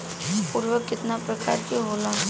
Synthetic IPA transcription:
puːɾʋəkːɪt̪napɾəka̰ːɾkiɦoːlã

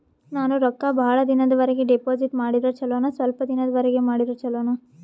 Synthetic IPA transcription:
naːnuɾɔkːabʱaːɭɐd̪inɐd̪ɐʋɐɾɛɡeɖepoːd͡ʒiʈmaːɽid̪ɐt͡ʃɐloːnɐsʋɐlpɐd̪inɐd̪ɐʋɐɾɛɡe̞maːɽid̪ɐt͡ʃɐloːnɐ

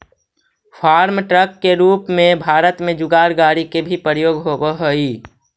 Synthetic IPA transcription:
fʰaːɾmʈɾəkːeɾuːpmẽbʱaːɾət̪mẽd͡ʒʊɡaːɾɡaːɾikebʱipɾəɾjoːɡɦoːbeɦoiː

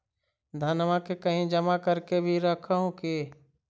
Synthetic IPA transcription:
d̪ʱənʋakekəɦĩd͡ʒəmakəɾkebʱiɾəkʰaɦũke

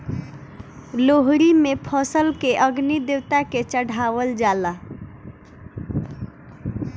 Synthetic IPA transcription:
loɦɾimepʰəsəlkeʔəɡnid̪ewt̪aket͡ʃəɽ̤ʱaʋəld͡ʒala

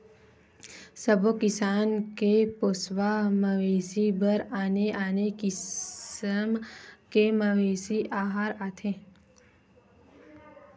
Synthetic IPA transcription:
səbokɪsaːnkepoːsʋaməʋeːsibəɾaːneʔaːnekɪ | mkeməʋeːsiʔaːɦaːɾaːt̪ʰẽː

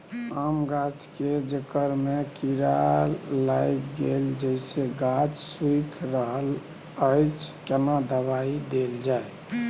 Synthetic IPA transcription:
amɡat͡ʃked͡ʒəkəɾmekiɾaɾlajkɡeld͡ʒəjseɡat͡ʃswikʰɾəɦəl | əjt͡ʃʰkenad̪əβaid̪eld͡ʒaj

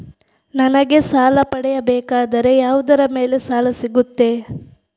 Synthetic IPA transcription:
nɐnɐɡe̞saːlɐpɐɽɛjɐbɛːkaːd̪ɐɾe̞jaːʋud̪ɐɾɐme̞ːle̞saːlɐsiɡut̪ːe̞

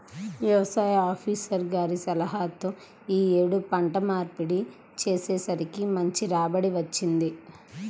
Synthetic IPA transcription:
ʋjɐʋɐsaːjɐaːpʰiːsɐɾɡaːɾisɐlɐɦaːt̪oː | iːeːɽupɐɳʈɐmaːɾpiɽi | t͡ʃeːseːsɐɾikimɐɲt͡ʃiɾaːbɐɽiʋɐt͡ʃːind̪i

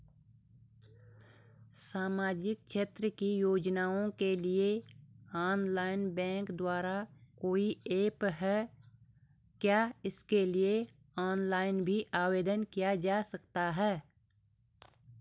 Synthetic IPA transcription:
saːmaːd͡ʒɪkʃeːt̪ɾəkijoːd͡ʒnaːõkelieaːnlaːɪnbɛ̃ːŋkd̪waːɾakoːieːpɦɛː | kjaːɪskelie | aːnlaːɪnbʱiʔaːweːd̪ənkijad͡ʒaːsɐkt̪aɦɛː

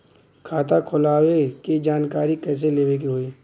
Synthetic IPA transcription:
kʰaːt̪akʰʊlaːweked͡ʒaːnkaːɾikɛːs̬eleːwekiɦoːiː

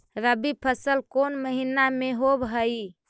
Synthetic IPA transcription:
ɾəbipʰəsəlkonməɦinameɦobɦəi

